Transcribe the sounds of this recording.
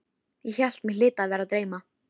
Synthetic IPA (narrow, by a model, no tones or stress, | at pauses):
jɛçal̥t̪mɪlɪːt̪avɛːɾat̪ɾeːjma